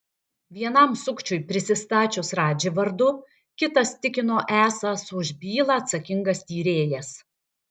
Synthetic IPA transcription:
ʋʲiɛnɐmsʊkt͡ʃʲʊɪpʲɾʲɪsʲɪst̪ɑːt͡ʃʲʊsɾɑːd͡ʒʲɪʋɐɾd̪ʊ | kʲɪt̪ɐst̪ʲɪkʲɪnoːʔæːsɐsʊʒʲbʲiːlˠɐːt̪sɐkʲɪŋɡɐst̪ʲiːɾʲeːjɛs

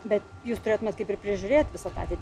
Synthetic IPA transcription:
bʲɛt̪juːst̪ʊɾʲeːt̪ʊmʲɛt̪kɐɪpɪɾpʲɾʲɪʒʲʊɾʲeːt̪ʋʲɪsɐt̪ɑ̰ɑːt̪ʲɛɪt̪ʲ

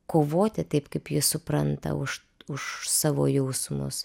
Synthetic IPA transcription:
koːʋoːt̪ʲɪt̪ɐɪpkɐɪpjɪssʊpɾɐnt̪ɐ̰ʊʃ | ʊʃsɑːʋoːjɛʊsmʊ̰s

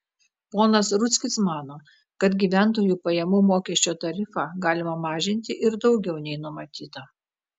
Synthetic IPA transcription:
poːnɐsɾʊt̪sʲkʲɪsmɑːnoː | kɐt̪ɡʲiːʋʲænˑt̪oːjuːpɐjɛmuːmoːkʲɛːʃʲt͡ʃʲoːt̪ɐɾʲɪfɑɡɑːlʲɪmɐmɑːʒʲɪnʲt̪ʲɪʔɪɾd̪ɒʊɡʲɛʊnʲɛɪnʊmɐt̪ʲiːt̪ɐ

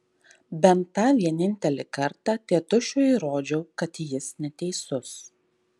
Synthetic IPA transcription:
bʲɛnt̪ːɑːʋʲiɛnʲɪnʲt̪ʲɛlʲɪkɐɾt̪ɑːt̪ʲiɛt̪ʊʃʲʊiɾoːd͡ʒʲɛʊkɐt̪jɪsnʲɛt̪ʲɛɪsʊs

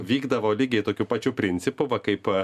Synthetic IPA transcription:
ʋʲiːɡd̪ɐʋoːlʲiːɡʲɛɪt̪oːkʲupɑːt͡ʃʲʊpʲɾʲɪnʲt̪sʲɪpʊʋɐkɐɪp

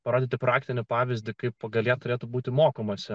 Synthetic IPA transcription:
pɐɾoːd̪ʲɪːt̪ʲɪpɾɑːkt̪ʲɪnʲɪpɑːʋʲɪzʲd̪ʲɪkɐɪppɐɡɐlʲɛt̪ʊɾʲeːt̪ʊbuːt̪ʲɪmoːkɐmɐsʲɪ

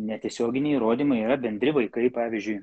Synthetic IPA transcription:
nʲɛt̪ʲiɛsʲoːɡʲɪnʲeɛɪiːɾoːd̪ʲiːmɐɪiːɾɐbʲɛnʲd̪ʲɾʲɪʋɐɪkɐɪpɑːʋʲizʲd͡ʒʲʊɪ

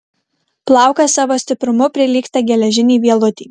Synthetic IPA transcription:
plˠɑˑʊkɐsɑːʋoːsʲt̪ʲɪpɾʊmʊpʲɾʲɪlʲiːkt̪ɑɡʲɛlʲɛʒʲɪnʲiːʋʲiɛlˠʊt̪ʲiː

